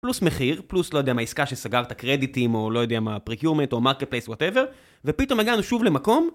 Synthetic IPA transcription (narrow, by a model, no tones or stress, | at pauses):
plusmeχiʁpluslo̞jode̞amaiskaʃesaɡaʁt̪akʁe̞d̪itimo̞lo̞jo̞d̪e̞amapʁekjuʁme̞nto̞maʁket̪̚pleswoteve̞ʁ | ve̞pito̞meɡanuʃuvle̞mako̞m